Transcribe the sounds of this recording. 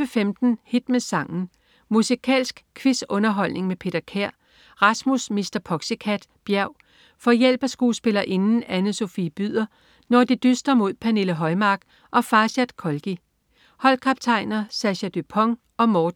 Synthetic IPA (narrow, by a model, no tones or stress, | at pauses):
əfemd̥n̩hid̥mesɑ̈ŋn̩ | musikʰɛ̰ːlsɡ̥kʰʋisɔ̽nɐɦɒ̽l̰ne̝ŋmepʰe̝ːd̥ɐkʰæɐ̰ | ʁɑ̈smusmisd̥ɐpʰɒ̽ɡ̥səkʰæd̥b̥jæʊ | fɒ̽jel̰b̥æsɡ̥uːsb̥e̝lɐʔe̝nn̩ænəso̝fiːb̥yð̰ˠɐ | nɒd̥id̥ysd̥ʁɐmo̝ð̰ˠpʰæne̝ləɦɒ̽ɪmɑ̈ːɡ̥ | ʔɒ̽fɑ̈ːɕæd̥kʰɒ̽lɡ̥i | hɒ̽l̰kʰɑ̈b̥̚t͡sʰɑ̈ɪ̰nɐsæɕæd̥ypʰɒ̽ŋ | ɒ̽mɒːd̥̩